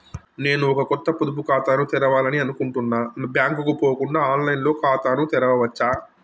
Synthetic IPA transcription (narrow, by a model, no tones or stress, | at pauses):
ne̞ːnuɔkɐkɔt̪ːɐpud̪up̬ukaːt̪aːnut̪ɛɾɐʋaːlɐniɐnukuɳʈunːaːbjaːŋkukupoːkuɳɖaːaːnlɐjnlo̞ːkaːt̪aːnut̪ɛɾɐʋɐʋɐt͡ʃːaː